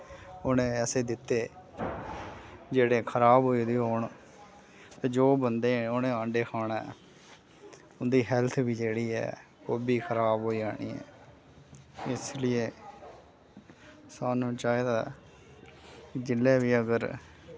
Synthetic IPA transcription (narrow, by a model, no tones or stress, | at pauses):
onẽːɛːseːd̪ɪt̪ːeː | d͡ʒeːɽeːkʰəɾaːbɦoːiːd̪iːɦoːɳ | t̪eːd͡ʒoːbənd̪eːoːnẽːãːɳɖeːkʰaːɳaː | ʊnd̪iːɦɛlt̪ʰbiːd͡ʒeːɽiːɛ̰ː | oːbiːkʰəɾaːbɦoːiːaːɽ̃ḭːɛ̰ː | ɪslɪeː | saːnũːt͡ʃaːeːd̪aː | kd͡ʒɪlːɛːʋiːəɡəɾ